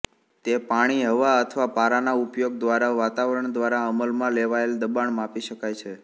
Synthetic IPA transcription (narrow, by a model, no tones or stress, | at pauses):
t̪epaɽ̃iɦəʋaət̪ʰʋapaɾanaupjoɡ̚d̪ʋaɾaʋat̪aʋəɾəɳd̪ʋaɾaəməlmãleʋaeld̪əbaɳmapiʃəkajt͡ʃʰe